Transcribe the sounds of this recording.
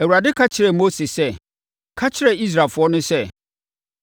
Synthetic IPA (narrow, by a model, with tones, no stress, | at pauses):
æ˨wu˨ɾa˨dɪ˦kʰa˦t͡ɕʰɪ˨ɾɛ˨mo˦se˨sɛ˦˨ | kʰa˦t͡ɕʰɪ˦ɾɛ˨i˦s̬ɾaː˨lfʊ˨˦ɔ˦nʊ̃˦sɛ˦˨